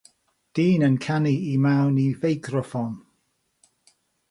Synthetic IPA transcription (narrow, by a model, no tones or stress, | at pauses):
d̥iːnənkʰaniimawnivejɡrɔfɔn